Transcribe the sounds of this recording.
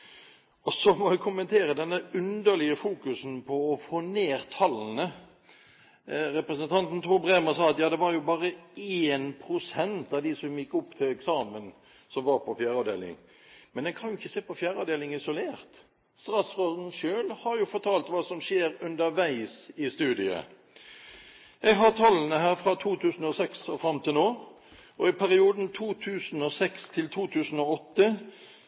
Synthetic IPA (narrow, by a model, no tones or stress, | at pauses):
ɔsɔmɔɛkʰʊmənt̪ʰeːɾəd̪ɛnːəʉnd̪əlɪəfuːkʉsn̩pʰɔːfoːneːɾt̪ʰɑlnə | ɾɛpɾɛsənt̪ʰɑnt̪n̩t̪ʰuːbʁeːməsɑːɑt̪jɑːd̪ɛʋɑɾjʊbɑːɾəeːnpʰɾʊsɛnt̪ɑʋd̪isɔmjɪkːɔpːt̪ʰɪlɛksɑːmən | sɔmʋɑɾpʰɔfjæːɾɑʋd̪ḛːlɪ̰ŋ | mɛnd̪ɛnkʰɑnjʊɪçːəseːpɔfjæːɾɑːʋd̪eːlɪŋɪsʊleːʁt̪ | st̪ɾɑsʁoːd̪n̩ʃøːlhɑɾjʊfɔʈ̪ʰɑːlt̪ʋɑːsɔmʃeːɾʉnd̪əɾʋæɪsɪst̪ʉːd̪ɪə̰ | jɛɡɦɑt̪ʰɑlːənəɦæːɾfɾɑt̪ʰuːt̪ʰʉːsn̩ɔsɛksɔfɾɑmːt̪ʰɪlnoː | ʔɔɪpʰæɾɪuːd̪nt̪ʰuːt̪ʰʉːsn̩ɔːsɛkst̪ʰɪlt̪ʰuːt̪ʰʉːsn̩oːɔt̪ːə